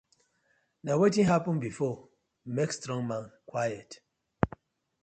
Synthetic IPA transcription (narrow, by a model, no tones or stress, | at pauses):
nawetĩnɦapə̃nbifɔ | mekstɹɔ̃ŋmãnkʰwajət